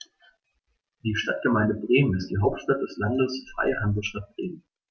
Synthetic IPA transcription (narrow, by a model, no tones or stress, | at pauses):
d̥iːʃtat̚ɡ̥əmaɪndəbʁeːmənɪstd̥iːɦaʊp̚tʃtat̚d̥ɛslandəsfʁ̥a̰ɪəhanzl̩ʃtat̚b̥ʁeːmən